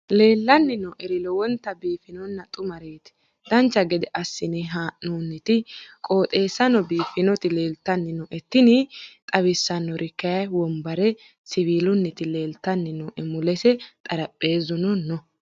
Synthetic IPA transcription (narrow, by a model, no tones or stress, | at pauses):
le̞ːlːɐnːɪnɔʔɛɾɪlɔwɔnt̪ːɐbiːfɪnɔnːɐt̪ʼʊmɐɾeːt̪ɪ̥ | d̪̥ɐnt͡ʃːɐɡɛd̪ɛʔɐsːɪnɪɦaːʔunːɪt̪ɪkʼo̞ːt̪ʼe̞ːsːɐnɔbiːfɪnɔt̪ɪle̞ːlt̪ːɐnːɪnɔʔɛt̪ːɪnɪt̪ʼɐβɪsːɐnːɔɾʔɪkːɐjɐjwɔmbɐɾɛ | sɪβiːlʊnːɪt̪ɪle̞ːlt̪ːɐnːɪnɔʔɛmʊlɛsɛt̪ʼɐɾɐpʼːe̞ːzʊnɔnːɔ